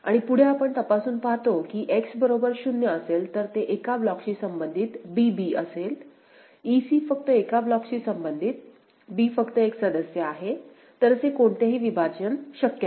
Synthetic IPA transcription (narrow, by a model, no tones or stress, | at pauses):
a̰ɽ̃ipuɽ̤eapəɳt̪əpasuːnpaɦt̪okiːʔeksbəɾobəɾɕunjəːselt̪əɾt̪eʔekablɔkɕiːsəmbənd̪ʱit̪bibiːəsel | isiːfək̚t̪əekablɔkt͡ɕiːsəmbənd̪ʱit̪̚ | bifəkt̪əeksəd̪əsjəaɦe | t̪əɾəsekoɳt̪aɦiːʋibʱad͡ʑənɕəkjə